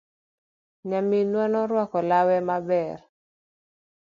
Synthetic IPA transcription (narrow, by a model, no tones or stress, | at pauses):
ɲaminwanɔɾwakɔlawɛmabɛr